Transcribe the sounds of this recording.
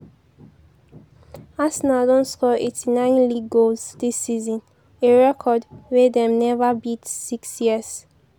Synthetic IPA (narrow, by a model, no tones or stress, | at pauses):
asnadɔ̃nskɔetʰinãɪ̃nliɡolsdisːizɔ̃n | eɹɛkʰɔdwedɛ̃mnɛvabitsiksjiəz